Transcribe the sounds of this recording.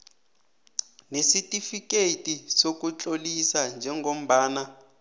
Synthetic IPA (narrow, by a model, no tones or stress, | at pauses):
nesitʼifikʼetʼisok̬ʼut͡ɬʼolisand͡ʒʱɛŋɡʱom̩ɓaːna